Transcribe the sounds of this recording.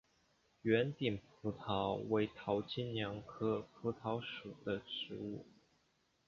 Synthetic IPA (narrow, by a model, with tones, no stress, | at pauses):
ɥɛ˧˥nt̪i˨˩npʰu˧˥t̪ʰɑ˧˥ʊwe˧˥ɪt̪ʰɑ˧˥ʊt͡ɕi˥nnjɑ˧˥ŋkʰɤ˥pʰu˧˥t̪ʰɑ˧˥ʊʂu˨˩d̪̥ə˦ʂɻ̩˧˥u˥˩